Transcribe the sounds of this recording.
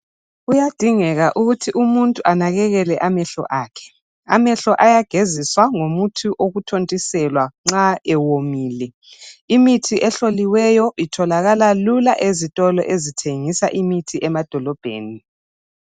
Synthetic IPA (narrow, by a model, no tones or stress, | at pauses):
ujad̥ʱiŋɛɣaʔuɣutʰiʔumuntʼuʔanaɣɛɣɛlɛʔamɛɬɔ̰ʔaːkʰɛ̥ | a̰mɛɬɔʔajaɡ̥ʱeziswaŋomutʰuʔoɣutʰontʼisɛlwaŋ͡ǁaɛwomiːlɛ | imitʰiʔɛɬoliwɛjɔitʰɔlaɣalalulaʔezitʼɔlɔ̰ʔezitʰeŋisaʔimitʰiʔɛmad̥ʱɔlɔb̥ʱḛːni